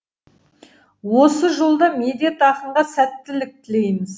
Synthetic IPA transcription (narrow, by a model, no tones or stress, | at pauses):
wo̞səʒo̞lˠd̪ɑmed̪ʲe̞t̪ɑqəɴʁɑsæt̪ːɪlɪk̚t̪ʰɪle̞jmɪz